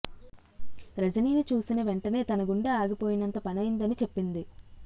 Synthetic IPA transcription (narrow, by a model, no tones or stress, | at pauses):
ɾɐd͡ʒɐniːnit͡ʃuːsinɐʋe̞ɳʈɐne̞ːt̪ɐnɐɡuɳɖeaːɡɐpo̞ːjinɐnt̪ɐpɐnɐjind̪ɐnit͡ʃe̞pːind̪i